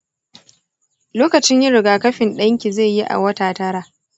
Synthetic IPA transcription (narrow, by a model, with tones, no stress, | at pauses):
loː˦kɐ˨t͡ʃɪ˦ɲjɪ˦ɽɪ˨ɡaː˨kɐ˦ɸɪ˨nɗɐ˦ŋkʲi˨ze˦˨ji˦ʔa̰˨wɐ˦taː˨tɐ˦ɽaː˨